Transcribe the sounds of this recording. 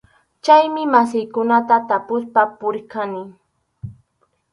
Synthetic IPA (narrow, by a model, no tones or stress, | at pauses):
t͡ʃajmɪmasɪjkʊnat̪at̪apʊspapʊɾkanɪ